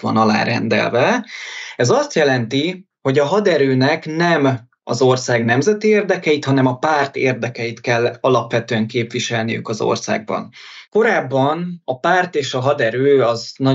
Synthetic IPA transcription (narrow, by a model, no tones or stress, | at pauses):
ʋɒ̰nɒla̰ːɾɛ̰nd̪ɛ̰lvɛ | ɛzɒst̪jɛlɛnt̪i | ho̞ɟɒɦɒd̪ɛɾøːnɛknɛm | ɒ̰zo̞rsaːɡnɛmzɛt̪ieːrd̪ɛkɛjit̪hɒnɛmɒpaːrt̪eːrd̪ɛkɛjit̪kɛlːɒlɒpʋɛt̪øːɛŋkeːpʋiʃɛlnijy̰kɒzo̰rsa̰ːɡ̚bɒ̰nko̞ɾaːbːɒnɒpaːrt̪eːʃɒɦɒd̪ɛɾøːɒznɒ